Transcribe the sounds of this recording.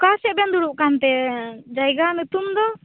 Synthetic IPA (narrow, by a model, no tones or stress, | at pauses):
kasɛʔbɛnd̪uɽuʔkant̪ɛd͡ʒajɡanut̪umd̪ɔ